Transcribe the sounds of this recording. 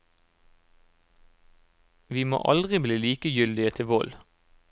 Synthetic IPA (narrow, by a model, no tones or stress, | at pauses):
ʋiːmo̰ːʔɑ̰ld̪ʁɪbliːliːkəjʏld̪ɪət̪ʰɪʋɔl